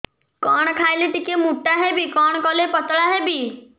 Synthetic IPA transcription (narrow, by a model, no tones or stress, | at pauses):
kɔɽ̃ɔkʰajlet̪ikemuʈaɦebikɔɽ̃ɔkɔlepɔt̪ɭaɦebi